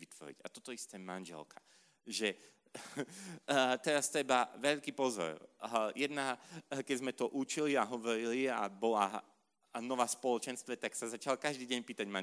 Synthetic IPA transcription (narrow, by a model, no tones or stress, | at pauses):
ʋit̪ʋɔ̰ɾḭɟa̰t̪ɔt̪ɔist̪ɛːmanʒɛ̰lkʰḁ | ʒɛ | t̪ɛɾast̪ɛbaʋɛʎkiːpɔzɔ̰ɾjɛd̪nakɛzmɛt̪ɔʔut͡ʃiliaɦɔʋɔɾilia̰bɔla | nɔʋaːspɔlɔt͡ʃɛnst̪ʋɛt̪aksazat͡ʃalkaʒd̪iːɟɛɲpiːt̪aɟmaɲ